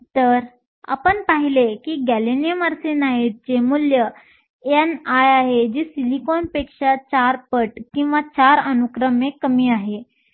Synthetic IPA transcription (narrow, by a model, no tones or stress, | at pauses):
t̪əɾ | a̰pəɳpaɦilekiːɡælenijəməɾsenaiɾ̚d͡ʑemuljə | jenajaɦed͡ʑiːsilikɔnpekʂat͡ɕaɾpəʈkĩw̃ʋat͡ɕaɾənukɾəmekəmiːaɦe